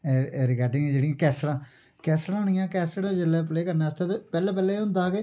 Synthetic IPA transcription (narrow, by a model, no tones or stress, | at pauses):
ɾɪkaːɖɪŋɡd͡ʒeːɽijãːkɛːsɽãː | kɛːslãːɦʊɳ̃ɪjãːkɛːsɽãd͡ʒɪlːɛːpleːkəɾneːəst̪et̪epɛːlɛːp̬ɛːleːɦʊnd̪aːke